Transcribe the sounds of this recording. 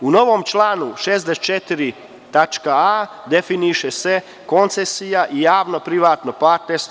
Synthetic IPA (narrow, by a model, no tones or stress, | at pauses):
uno̞ʋo̞mt͡ʃlˠaːnuʃeːzd̪est͡ʃet̪iɾi | t̪at͡ʃkaad̪e̞finiʃese̞ | ko̞nt̪sesijaʔijaːʋno̞pɾiʋaːt̪nopat̪es